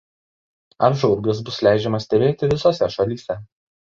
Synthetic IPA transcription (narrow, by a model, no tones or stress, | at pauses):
ɐɾʒɔʊɾɡʲɪs̬bʊslʲæˑɪd͡ʒʲɛmɐsʲt̪ʲɛbʲeːt̪ʲɪʋʲɪsoːsʲɛʃɐlʲiːsʲɛ